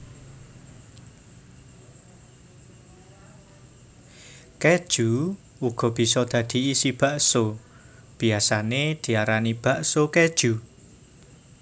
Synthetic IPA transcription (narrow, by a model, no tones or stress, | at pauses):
ked̥ʒ̥u | uɡ̥ɔ̤b̥i̤sɔd̪̥ä̤d̪̥i̤isib̥a̤ʔso | b̥i̤asaned̪̥i̤aɾanib̥a̤ʔsoked̥ʒ̥u